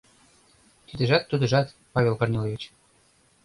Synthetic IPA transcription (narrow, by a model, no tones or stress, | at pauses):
t̪id̪ə̆ʒɑt̪ːud̪ə̆ʒɑt̪ | pɑvʲelˠkornʲelˠovʲit͡ɕ